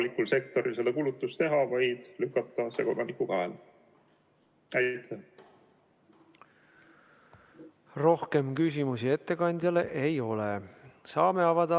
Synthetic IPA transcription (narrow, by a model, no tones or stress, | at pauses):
likːulse̞k̚t̪o̞ɾilse̞d̪ɑkuːlut̪ːˑust̪e̞ɦɑvɑjd̪̥lykːˑɑt̪ːɑse̞ko̞d̪ɑnikuvæel | æjt̪ːe | ro̞hke̞mkys̬ʲimusie̞t̪ːe̞kɑnʲd̪̥jɑle̞ʔejo̞lesɑːme̞ɑvɑd̪̥ɑ